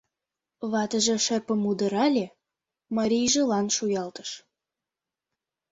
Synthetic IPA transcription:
βɑt̪əʒɤ̆ʃərpə̆mud̪ə̆ɾɑlʲe | mɑɾʲijʒəlɑnʃujɑlt̪ə̥ʃ

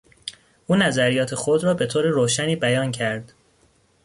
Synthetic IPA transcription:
ʔuːnæzæɾijɒːt̪ʰe̞xod̪ɾɒːbe̞t̪ʰoːɾeɾoːʃæniːbæjɒːncʰæɾd̪̥

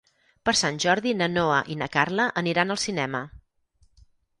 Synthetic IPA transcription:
pəɾsanʲʒɔɾðinənoəʔinəkarləʔəniɾanəlˠsinɛmə

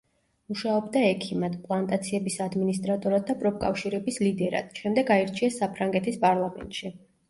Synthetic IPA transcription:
muʃaɔbd̪aɛkʰimad̪pʼlˠant̪ʼat̪sʰiɛbisad̪minist̪ʼɾat̪ʼɔɾad̪ːapʼɾɔp̚kʼa̰fʃiɾɛbislid̪ɛɾa̰d̪̥ʃɛmd̪ɛɡaiɾt͡ʃʰiasːapʰɾaŋɡɛt̪ʰispʼaɾlˠamɛ̰nt̪ʼʃi

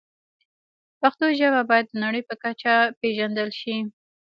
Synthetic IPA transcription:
paxt̪oʒaβabɑjad̪ːənaɽəjpəkat͡ʃapeʒand̪əlʃi

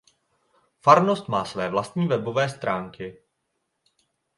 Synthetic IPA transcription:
faɾno̞st̪maːsvɛːvlast̪ɲiːvɛbo̞vɛːst̪ɾʔaːŋkɪ

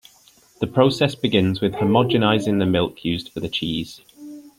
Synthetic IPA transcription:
ðəpʰɹ̥oʊsɛsb̥ɪɡɪ̃nzwɪð̥həmɒd͡ʒɪnaɪzɪ̃ŋðəmɪlˠkʰjʉːzd̥fəðət͡ʃʰiːz̥

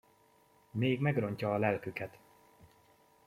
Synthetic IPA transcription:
meːɡmɛɡro̞ɲcɒːlɛlkykɛt̪

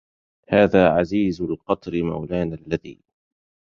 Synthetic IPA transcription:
haːðaːʕaziːzʊlqɑt̪ˤɾɪma̰wlaːnalːaðḭː

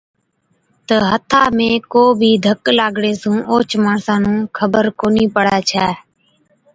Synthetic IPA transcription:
t̪əɦət̪ʰaːmẽːkoːbʱiːd̪ʱəklaːɡɽeːsũːʔoːt͡ʃmaːɳsãːnũːkʰəbəɾkoːniːpəɽaːt͡ʃʰaː

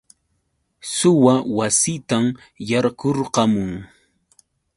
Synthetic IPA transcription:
sʊwawasɪt̪am | jɑɾkoɾqɑmʊŋ

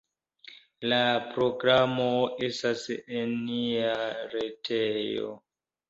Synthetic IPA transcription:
lapɾo̞ɡɾamoestasenːiaɾetʰejo̰

